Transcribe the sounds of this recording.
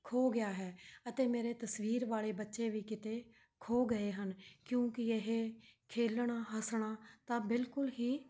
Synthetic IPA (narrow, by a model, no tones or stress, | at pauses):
kʰoːɡɪjaːɦɛːət̪eːmeːɾeːt̪əsʋiːɾʋaːleːbətːʃeːʋiːkɪt̪eː | kʰoːɡəeːɦənkjõːkɪeɦeːkʰeːlɽaːɦəsɽ̃aːt̪ãːbɪlkʊlɦiː